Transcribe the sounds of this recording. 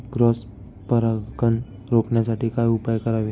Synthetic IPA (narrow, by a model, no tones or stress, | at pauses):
ɡɾɔs | pəɾakən | ɾokɳjasaʈiːkajupajkəɾaʋe